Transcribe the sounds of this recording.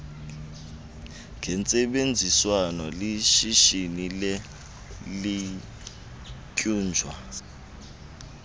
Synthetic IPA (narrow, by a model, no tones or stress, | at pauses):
ŋɡʱɛnt͡sʼɛɓend͡zʱiswanɔliʃiʃinilɛ | li | kʼuːnd͡ʒʱwa